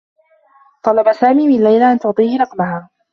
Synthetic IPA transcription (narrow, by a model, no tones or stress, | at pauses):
t̪ˤɑlɑbasaːmiːmɪnalːajlaʔant̪ʊʕt̪ˤiːhɪɾˤɑqmahaː